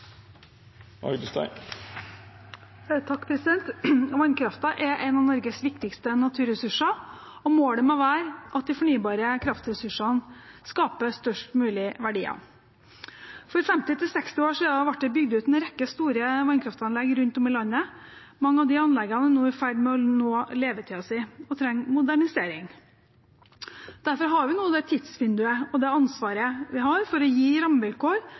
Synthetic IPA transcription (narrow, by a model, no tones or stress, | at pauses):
ʔɑ̰ɡd̪ʉst̪æ̰ɪ | t̪ʰɑkːpʰɾɛsɪd̪ɛnt̪ʋɑnkʰɾɑft̪ɑʔɛʔæɪnɑʋnɔɾɡəsʋɪkt̪ɪkst̪ənɑt̪ʰʉːɾɛsʉʂə | ɔmoːɽəmoʋæːɾʔɑt̪̚d̪ɪfɔɳyːbɑːɾəkʰɾɑft̪ɾɛsʉʂɑnskɑːpəst̪œʂʈmʉːlɪʋæɖiːɑ̰ | fɔɾfɛmt̪ɪt̪ɪlsɛkst̪ɪoːʂiːd̪ɑʋɑʈ̚ːd̪ɛbʏɡd̪ʉːt̪nɛɾɛkːəst̪uːɾəʋɑɪnkʰɾɑft̪ɑnlɛɡɾʉnt̪ɔmɪlɑnːə | mɑŋːəɑʋd̪ɪɑnlɛɡɑnənoːæɾfæɖɪmɛɔnoːleːʋət̪ʰɪɑsɪɔt̪ʰɾɛŋːmʊd̪æɳɪseːɾɪŋ | d̪̥æɾfɔɾɦɑɾʋɪnuːɑd̪ɛt̪ʰɪd̪sʋʏnd̪ʉəɔd̪ɛɑnsʋɑːɾəʋɪɦɑɾfɔɾɔjiːɾɑmʋɪlkoːɾ